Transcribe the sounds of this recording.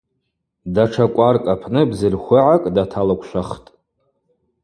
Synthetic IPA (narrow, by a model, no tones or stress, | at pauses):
daʈ͡ʂʰakʷʼarkʼapʰnɨbzɨrχʷʊʕakʼdatʰalakʷʰʃʷᶣaχtʼ